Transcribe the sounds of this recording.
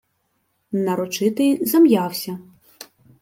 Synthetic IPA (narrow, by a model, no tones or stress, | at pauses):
nɐɾɔt͡ʃɪt̪ɪjzɐmjawsʲɐ